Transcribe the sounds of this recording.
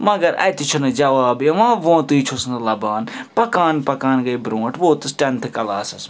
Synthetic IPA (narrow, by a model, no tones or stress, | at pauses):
mɐɡɐɾɐ̰jt̪it͡ʃʰunɨd͡ʒɐʋaːbjeʋãːʋõːt̪uit͡ʃʰosnɨlɐbaːnpɐkaːnpɐkaːnɡɐibɾõːʈʰʋoːt̪ɨsʈɐnt̪ʰɨkɐlaːsɐs